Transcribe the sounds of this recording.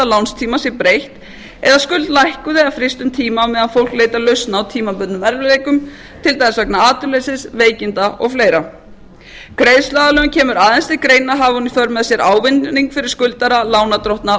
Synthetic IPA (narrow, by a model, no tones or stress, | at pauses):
alawnst̪ʰiːmasjɛɾpɾejht̪ | ɛ̰ðaskʏlt̪lajhkʏðɪafɾɪst̪ʏmt̪ʰiːmamɛðaðfowl̥kleːjt̪alœɥst̪naːwt̪ʰiːmapʏt̪nʏmɛɾvɪlejkʏm | t̪ʰɪlt̪ajasœk̚naaːt̪ʏlejsɪsveːjcɪnt̪aʔɔɣfleːjɾa | kɾejðslaðalœʏmcʰɛːmʏɾaːðɛnst̪ɪkɾeːjnaɦaːvaunifœɾmɛðasjɛɾʔaːwvɪnːiŋkfɪɾɪɾ̥skʏlt̪aɾalaːwnat̪ɾɔht̪na